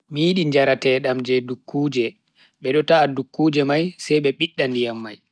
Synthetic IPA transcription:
mijiɗiɲd͡ʒaɾatɛːɗamd͡ʒɛdukʰːuːd͡ʒɛ | ɓɛɗɔtadukːuːd͡ʒɛmajsɛjɓɛɓiɗːandijamːaj

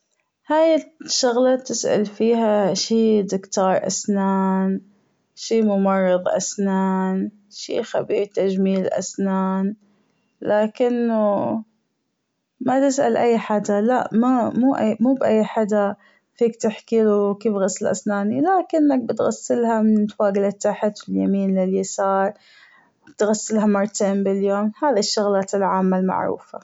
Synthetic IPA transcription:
haːjɪʃːʊɣlɑt̪ɪsʔa̰lfiːɦaʃiːd̪ɪkt̪ɑːɾˤʔa̰snaːn | ʃiːmʊmɑrˤːɨðˤʔa̰snaːn | ʃḭːxabiːɾt̪ad͡ʒmiːlʔa̰snaːn | laːkɪnːʊ | mat̪ɪsʔa̰lʔajːħaːd̪alaʔmamuːʔamuːbʔajːħad̪a | fiːkt̪ɪħkilukiːfɣasːɪlʔa̰snaːnilaːkɪnːak̚bɪt̪ɣasːɪlhamɪnt̪faːɡɪlɪt̪ːaħɪt̪wɪlja̰miːnlɪljasɑːɾˤ | bɪt̪ɣasːɪlɦamʊɾˤt̪ambɪljoːmhaːðiʃːʊɣlaːlʕaːmːalma̰ʕɾṵːfa

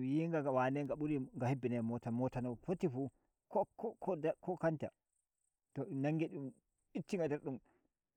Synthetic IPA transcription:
jiŋɡaɡawanɛŋɡaɓuɾiŋɡahebːinɛmɔtamɔtanɔfotːifu | kɔkɔkʰɔdkɔkanta | tɔnaŋɡeɗum | itːiŋɡadɛɾɗum

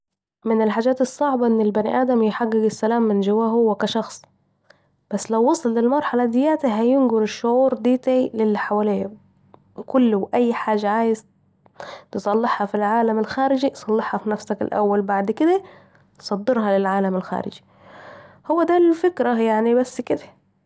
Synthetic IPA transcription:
mɪnɪlħaːd͡ʒæːt̪esˤːɑʕbɑʔɪnːɪlbænḭʔæːd̪æmjħaɡːɪɡɪsːælæːmːɪnd͡ʒɪwæːɦowːækæʃɑxsˤ | b̥æsːlæwːɑsˤɑlːɪlmɑɾˤħɑlæd̪ɪjæːt̪ɪɦæjɪnɡʊɾɪʃːʊʕuːɾd̪iːt̪aʕilɪlːiħawæleːhæ | kʊlːwʔæjːħaːʒːaʕaːjɪz | t̪ɨsˤɑlːɑħhɑfilʕaːlæmɪlxæːɾɪd͡ʒisˤɑlːɑħhɑfinæfsækɪ̰lʔæ̰wːælbaʕd̪kɪd̪æ | sˤɑd̪ːɨɾhɑlɪlʕaːlæmɪlxæ̰ːɾɪ̰d͡ʒi̥ | hʊwːæd̪ælfɪkɾæjaʕnibæsːkɪd̪æ̥

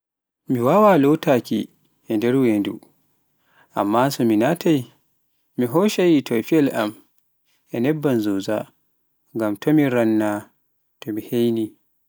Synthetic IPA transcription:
miwaːwalɔwtakʲḭ | ʔɛndɛɾwendṵ | ʔa̰mːaːsɔminatʰaj | miɦɔːʃajitʰɔfiɛlʔam | ʔɛnɛbːanzuza̰ | ŋɡamtʰɔmiɾanːa | tɔmihejni

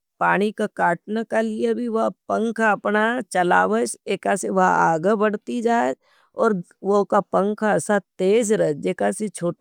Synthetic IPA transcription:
paːɽ̃ikakaːʈnəkaliebʱiʋɐpə̃ŋkʰaɐpnat͡ʃɐla̰ːʋət͡ʃeːkaseʋɐɦaːɡəbɐɽt̪id͡ʒaː | ɔːɾ | ʋokapə̃ŋkʰasat̪eːd͡ʒɾɐd͡ʒeːkaset͡ʃʰoː

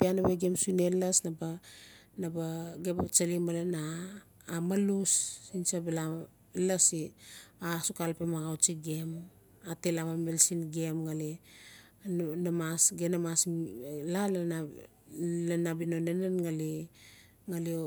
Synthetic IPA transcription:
pianoβeɡemsunelasnabanabaɡebat͡ʃalimalenaː | malusinsabela | lasiasukalpemaɣawt͡ʃiɡe̞m | atelamamelsinɡemŋale | namasɡenamaslal | lenabinonenenŋali | ŋale

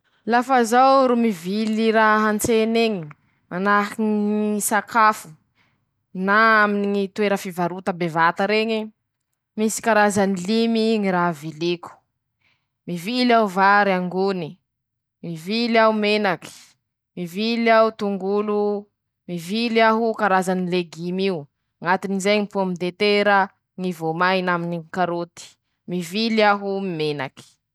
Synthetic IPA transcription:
lafazawɾumiviliɾaɦɦant͡seneɲi | manahiŋisakʰafu̥ | naaminiŋit̪ueɾəfivaɾut̪əbevat̪əɾeɲe | misi̥kaɾazanilimiŋiɾavileku̥ | mivilawvaɾiaŋɡuni | miviliawumenaki̥ | mivilawt̪uŋɡulu | miviliaɦukaɾazanileɡimiu | ŋat̪inizejŋipumid̪et̪eɾə | ŋivomajnaminikaɾot̪i̥ | miviliaɦumimena̰ki̥

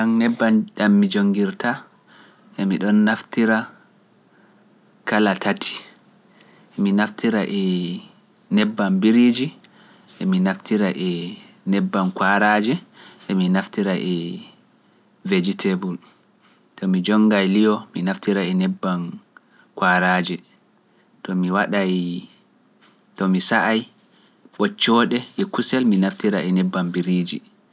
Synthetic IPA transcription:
aŋnɛbːanɗamːid͡ʒoŋɡiɾta | ʔɛmiɗɔnːaftiɾa | kalatʰatʰi̥ | minaftiɾaʔɛ | nɛbːambiɾid͡ʒi | ʔɛminaftʰiɾaʔɛ | nɛbːankwaɾad͡ʒɛʔɛminaftiɾaʔɛ | ved͡ʒitʰebul | tɔmid͡ʒɔŋɡajlijɔminaftiɾaɛnɛbːan | kwaɾaːd͡ʒɛ | tɔmiwaɗaj | tɔmisaʔaj | ɓɔt͡ʃːɔɗɛʔɛkusɛlminaftiɾaʔɛnɛbːambiɾiːd͡ʒi

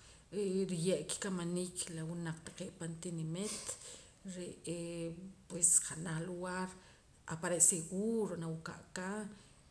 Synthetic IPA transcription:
ʔɾijeʔki̥kamaniklawunaq͡χt̪ḁqeʔpant̪inimet̪ | ɾeʔ | pwesqanaχluɣaɾ | ʔapaɾeʔseɡuɾonawuka̰ʔka

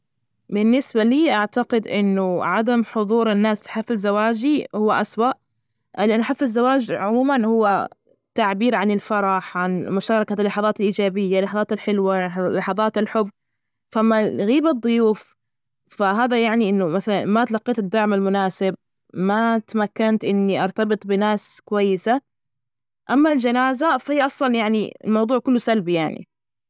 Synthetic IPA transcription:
bɪnːɪsbaliːʔaʕt̪aqɪd̪ʔɪ̰nːʊʕad̪amħʊðˤuːɾɪnːaːslħafɪzːawaːd͡ʒihʊwːaʔaswaʔ | lɪʔanːʔaħafːɪzːawaːd͡ʒʕʊmuːmanhʊwːa | t̪aʕbiːɾʕanɪlfɑɾˤɑħʕanmʊʃɑːɾˤɑkalːɑħɑðˤɑːt̪ɪlʔiːd͡ʒaːbɪjːalːɑħɑðˤɑːt̪ɪlħɪlwalːɑħɑðˤɑːt̪ɪlħʊbː | famːaɣiːbad̪ˤːʊjuːf | faɦaːðajaʕniʔɪnːʊmaθalanmat̪lɑqːiːt̪ɪd̪ːaʕmalmʊnaːsɪb̚ | mat̪amakːant̪ʔɪnːiʔɑɾˤt̪ɑbɨt̪ˤbɪnaːskʊwajːɪsa | ʔamːald͡ʒanaːzafahiːaʔɑsˤlɑnjaʕnḭɪlmɑwðˤuːʕkʊlːʊsalbijaʕnḭ

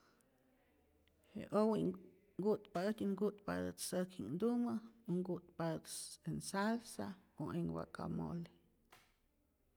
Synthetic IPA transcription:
hḛʔowiʔ | ɡut̪pad̪ɨt̪ʲuŋɡut̪pa̰d̪ɨt̪səkʰinnd̪uməoŋɡut̪pad̪ɨt̪ensalsaoʔeŋwa̰ka̰mo̰li

